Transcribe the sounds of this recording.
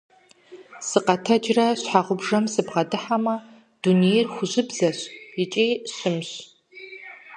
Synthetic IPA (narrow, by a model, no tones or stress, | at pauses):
sɨqɐtʰɐd͡ʒrɐɕħaʁʷʊbʐɐmsɨbʁɐdɨħamɐ | d̥unejrxʷʊʑɪbzɐɕɪt͡ʃʼeːɕɨmɕ